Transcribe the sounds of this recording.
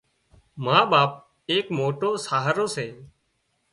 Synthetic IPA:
maːɓaːp̚ | eːkmoːʈoːsaːɦəɾoːseː

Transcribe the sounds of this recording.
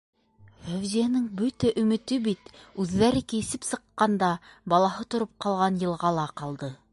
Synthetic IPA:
fæwzijænɘŋbɵt̪æʔɵ̆mɘ̆t̪ɘbit̪ʉðːæɾɘkijɘ̆sɘpsɤ̆qːɑnd̪ɑbɑlˠɑɦɤt̪ŏɾop̚qɑlˠʁɑnjɤ̆lˠʁɑlˠɑqɑlˠd̪ɤ

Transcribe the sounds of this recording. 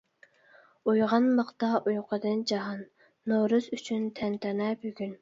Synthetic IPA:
ujʁɑnlˠəqt̪ɑʔujqʰəd̪ɨnd͡ʒɑɦɑnː | oɾɨsyt͡ʃʰynt̪ʰɛnt̪ʰɪɾnɛbøɡʲyn

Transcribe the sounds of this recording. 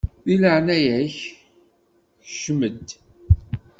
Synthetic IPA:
θiləʕnæjæç | ʃməd̪

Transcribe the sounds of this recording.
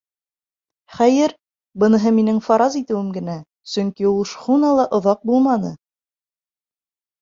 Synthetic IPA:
χæjɘɾ | bɤ̆nɤ̆ɦɤminɘŋfɑɾɑzit̪ɘ̆wɘmɡɘ̆næ | sɵŋkiulˠʃχunɑlˠɑʔŏðɑq̚bulˠmɑnɤ̰

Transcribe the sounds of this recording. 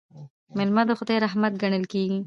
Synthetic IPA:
mɪlmad̪əxʊd̪ajɾaɦmat̪̚ɡaɳəlkeɡi

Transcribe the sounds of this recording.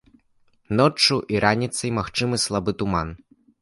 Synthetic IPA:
nɔt͡ʂuʔiɾʔanʲit̪sɐjmaxt͡ʂɨmɨslˠabɨt̪uman

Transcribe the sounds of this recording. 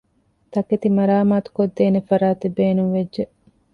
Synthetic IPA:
t̪ɐket̪imɐɾaːmaːt̪u̥kod̪ːeːnefɐɾaːt̪ebeːnuŋʋedʒe

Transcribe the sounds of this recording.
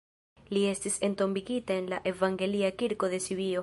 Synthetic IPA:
lie̞stise̞nto̞mbiɡitae̞nlaʔe̞vaŋɡe̞liakiɾko̞ðe̞siβio

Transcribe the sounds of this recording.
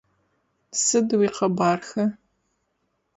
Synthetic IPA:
sɨdwiːqɐbaːrxɐ

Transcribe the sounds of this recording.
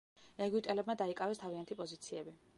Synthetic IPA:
ɛɡwit̪ʼɛlɛbmad̪aikʼavɛst̪ʰaviant̪ʰipʼɔzit̪sʰiɛbi

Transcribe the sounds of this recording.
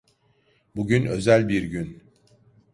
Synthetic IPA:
buɟynø̞zælʲbiɾɟyn

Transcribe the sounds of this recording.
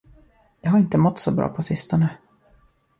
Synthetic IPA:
jɑːɦaɾɪnt̪əmɔt̪sɔbɾɑ̰ːpʰɔsɪst̪ɔnə

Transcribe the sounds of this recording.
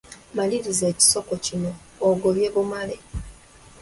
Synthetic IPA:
maliɾize̞ːci̥so̞kocino̞ː | ɡoβjeβumale

